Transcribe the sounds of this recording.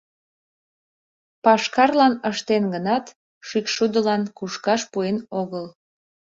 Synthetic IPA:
pɑʃkɑrlɑnəʃt̪enɡənɑt̪ | ʃykʃud̪əlɑnkuʃkɑʃpuenoɣəl

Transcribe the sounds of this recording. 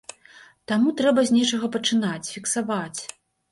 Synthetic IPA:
t̪amut̪ɾɛbɐzʲnʲɛt͡ʂɐɣɐpɐt͡ʂɨnat͡sʲfʲiksavat͡sʲ

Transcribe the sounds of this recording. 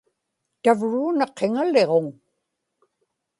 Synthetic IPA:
t̪avɻuːnɑqʰːeŋale̞ʁo̞ŋ

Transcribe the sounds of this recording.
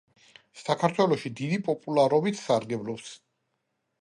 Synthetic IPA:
sakʰaɾt̪ʰwɛlˠɔʃid̪id̪ipʼɔpʼulˠaɾɔbit̪ʰsaɾɡɛblɔps

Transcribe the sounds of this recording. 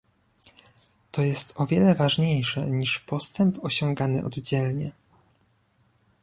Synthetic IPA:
t̪ɔjɛst̪ɔvʲjɛlɛvaʐɲejʂɛ̰ɲiʂpɔst̪ɛmpɔɕɔŋɡanɘʔɔ̰d̪d͡ʑɛlɲɛ

